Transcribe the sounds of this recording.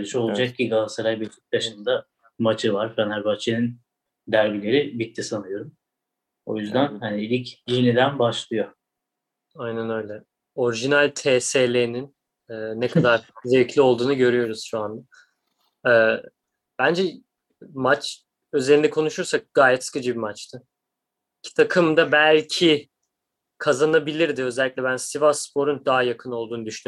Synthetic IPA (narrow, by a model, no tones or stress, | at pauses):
lˠiʃo̞lˠad͡ʒak̚ciɡalˠsaɾajbilʲt̪ʰi̥k̚d̪aʃɯnd̪a | mat͡ʃʰɯvaɾfænæɾbat͡ʃʰenin | d̪æɾbilʲe̞ɾibit̪ʰːisanɯjo̞ɾum | o̞̰jyzd̪ænhaniilʲicjinid̪ænbaʃlˠɯjo̞ | ajnænø̞jlʲɛ | o̞ɾiʒinælʲt̪ʰeːseːlʲenin | ɛːnɛkʰad̪aɾ̥zevclʲio̞lˠd̪uːnuɟø̞ɾyjo̞ɾuz̥ʃuand̪a | ɛː | b̥ænd͡ʒɛ | mat͡ʃ | ø̞ze̞ɾind̪ɛkʰo̞nuʃuɾsak̚ɡ̥aːjɛt̪sɨ̥kʰɯd͡ʒɯbimat͡ʃt̪ʰɯ | cʰi̥t̪ʰakʰɯmd̪abælʲcʰi | kʰazanabilʲiɾd̪ɪø̞zɛlʲiclʲɛbænsivaspʰo̞ɾund̪aɦajakʰɯno̞lˠd̪uːnud̪yʃny